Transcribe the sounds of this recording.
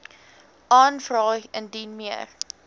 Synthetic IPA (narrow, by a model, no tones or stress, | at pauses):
ʔɑːnfrɑːjəndinmiər